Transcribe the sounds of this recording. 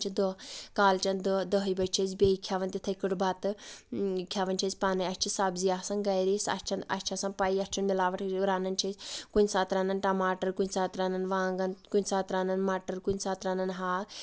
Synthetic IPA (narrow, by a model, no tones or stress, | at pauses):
t͡ʃʰid̪əkaːlt͡ʃɐnd̪d̪əɦəjbɐt͡ʃʰɐzʲbʲeikʰjaːʋɐnt̪ʲit̪ʰɐkuʈbat̪ɨ | kʲʰjaːʋɐnʲt͡ʃʰɐzʲpaːnɐjɐst͡ʃʰisaːbziaːsɐnɡɐjɾisɐ̰st͡ʃʰɐnɐ̰sʲt͡ʃʰasɐnpaiɐst͡ʃʰunmilaːʋɐʈʰɾaːnɐnt͡ʃʰɐzʲkunʲsaːt̪ɾaːnɐnʈɐmaːʈɐɾkunʲsaːt̪ɾaːnɐnʋãːŋɡɐnkunʲsaːt̪ɾaːnɐnmaːʈəɾkunʲsaːt̪ɾaːnɐnɦaː